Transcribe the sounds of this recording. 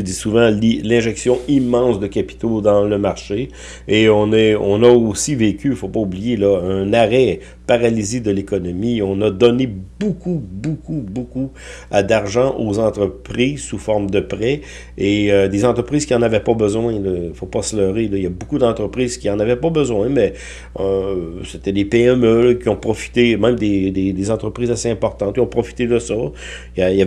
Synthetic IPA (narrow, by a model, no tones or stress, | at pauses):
d̪isuvɑ̃llɛ̃ʒɛksjɔ̃imːɑ̃sd̪əkʲapi̥t̪od̪ɑ̃ləmaʁʃe | eɔ̃nɛɔ̃naosiveːkʲyfopaublijelʌœ̃naʁɛ | paʁalized̪əlekɔnɔmiɔ̃nad̪ɔnebokʰubokuboku | ad̪aʁʒɑ̃ʔozɑ̃t̪ʁəpʁiːzsufɔʁmd̪əpʁɛ | eød̪ezɑ̃t̪ʁəpʁiːz̥kiɑ̃navɛpɔbəzwɛ̃ləifopɔslœːʁelɔijabokud̪ɑ̃t̪ʁəpʁiːz̥kʲiɑ̃navɛpɔbəzwɛ̃mɛ | set̪ɛd̪epeɛmølkʲiɔ̃pχɔfi̥t̪emɛ̃md̪ed̪ed̪ezɑ̃t̪ʁəpʁiːzaseɛ̃pɔʁt̪ɑ̃t̪̚kʲjɔ̃pʁɔfi̥t̪ed̪əsɔ | jaija